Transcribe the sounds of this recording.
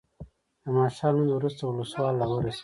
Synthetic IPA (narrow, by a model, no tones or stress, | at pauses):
d̪əmɑːʃɑːlnund̪wɾust̪auluswɑːlːawoɾes